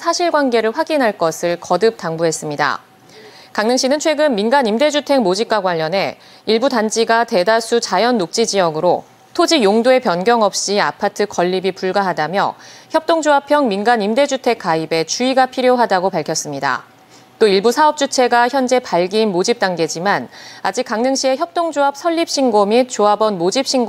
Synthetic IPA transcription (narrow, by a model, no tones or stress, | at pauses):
sʰaɕʰiɭɡwanɡe̞ɾɯɭɸwaɡinɦaɭk͈ʌsʰɯɭkʌdɯp̚t͈aŋbuɦe̞s͈ɯmɲida̰ | kaŋnɯŋɕ͈inɯnt͡ɕʰwe̞ɡɯnminɡanimde̞d͡ʑutʰe̞ŋmod͡ʑip̚k͈waɡwaʎːʌnɦe̞ | iɭbutand͡ʑiɡate̞dasʰut͡ɕajʌnːok̚t͡ɕ͈id͡ʑijʌɡɯɾo | tʰod͡ʑijoŋdoe̞pjʌnɡjʌŋʌp̚ɕ͈ia̰pʰatʰɯkʌʎːibipuɭɡaɦadamjʌ̰çjʌp̚t͈oŋd͡ʑoɦapʰjʌŋminɡanimde̞d͡ʑutʰe̞k͈aibe̞t͡ɕuiɡapʰiɾjoɦadaɡopaɭkʰʌs͈ɯmɲida̰ | t͈oiɭbusʰaʌp̚t͡ɕ͈ut͡ɕʰe̞ɡaçjʌnd͡ʑe̞paɭɡinmod͡ʑip̚t͈aŋɡe̞d͡ʑimanad͡ʑik̚aŋnɯŋɕʰie̞çjʌp̚t͈oŋd͡ʑoɦap̚s͈ʰʌʎːip̚ɕ͈ʰinɡomit͡ɕoabʌnmod͡ʑip̚ɕ͈ʰiŋɡ